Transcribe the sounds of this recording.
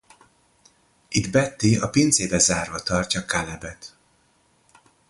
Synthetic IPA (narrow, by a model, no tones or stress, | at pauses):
id̪bɛt̪ːiɒpint̪seːbɛzaːrvɒt̪ɒrcɒkalɛbɛt̪